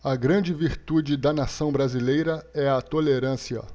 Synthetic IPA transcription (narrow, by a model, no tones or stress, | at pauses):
ɐɡɾɐ̃d͡ʒɪviɾt̪ud͡ʒɪd̪ɐnasɐ̃w̃bɾazilejɾɐɛɐt̪oleɾɐ̃siɐ̰